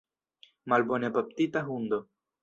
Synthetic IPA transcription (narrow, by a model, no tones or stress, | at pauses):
malbonepap̚t̪it̪aɦund̪o